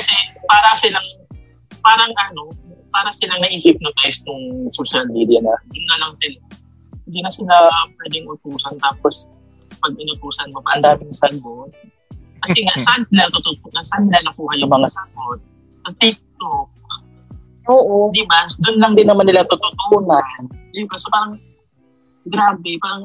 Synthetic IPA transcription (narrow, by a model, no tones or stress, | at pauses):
kɐsɛpaːɾɐsɪlaŋ | paːɾɐŋʔɐno̞paːɾɐsɪlaŋnɐʔiːhɪp̚nʊt̪aʔɪsnʊŋsoːʃalmiːd̪janɐd̪ʊnːɐlɐŋsɪla | hɪnd̪iːnɐsɪlapwɛːd̪ɪŋʊt̪uːsɐnt̪aːpos | pɐɡ̚ɪnʊt̪uːsɐnmopɐʔɐnd̪aːmɪŋsad̪̚bon | kɐsɛŋaʔsansɪlat̪ot̪ʊt̪onɐsanɪlanɐkuːhɐjʊŋmɐŋasɐɡot̪̚ | ɐt̪ik̚t̪ok̚ | ʔoːʔod̪ɪbad̪ʊnlɐŋd̪ɪnːɐmanːɪlat̪ʊt̪ʊt̪oːnɐnd̪ɪbasopaːɾɐŋ | ɡɾaːbɛpaːɾɐŋ